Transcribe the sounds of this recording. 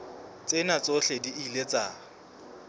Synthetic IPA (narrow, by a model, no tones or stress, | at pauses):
t͡sʼenat͡sʼoɬediʔilet͡sʼa